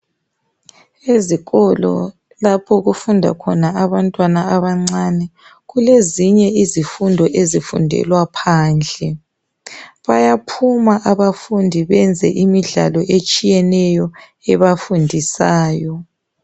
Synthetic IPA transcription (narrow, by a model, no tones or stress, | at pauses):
eziɣɔlɔ̰ | lapʰɔɣufundʱa̰kʰɔnaaβantʼwanaaβaŋ͡ǀanɛ | ɣuleziɲɛizifundʱɔʔezifṵndʱɛ̰lwapʰaːnd͡ɮʱɛ | βajapʰumaʔaβafundʱiβɛnd͡zʱɛ̰ʔimiɮa̰lɔʔet͡ʃʼijɛnɛjɔ | ɛβafundʱisaːjɔ